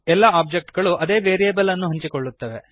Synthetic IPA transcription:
ɛlːɐaːp̚d͡ʒek̚ʈɡɐɭuʔɐd̪e̞ːʋeːɾijeːbɐlɐnːuɦɐɲt͡ʃikoɭːut̪ːɐʋe̞

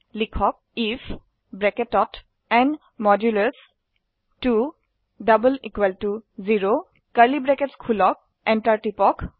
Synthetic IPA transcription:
likʰɔk̚ifʰ | bɹɛkɛtɔt | ɛn | mɔdjuləs | tu | ɖabəlikweltuziɹo | kaɹlibɹɛkɛtskʰulɔk̚ | ɛntaɹʈipɔk

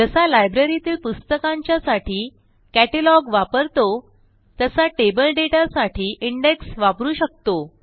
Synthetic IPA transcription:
d͡ʑəsalajbɾeɾit̪iːlpust̪əkãɲt͡ɕjasaʈʰiː | kæʈəlɔɡʋapəɾt̪o | t̪əsaʈebəlɖeʈasaʈʰiːʔiɳɖeksʋapɾuːɕək̚t̪o

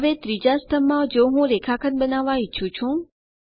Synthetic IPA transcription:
ʋet̪ɾid͡ʒast̪ʰəmːãd͡ʒoɦũɾekʰakʰənbənaʋːãiːʃʰũt͡ʃʰũ

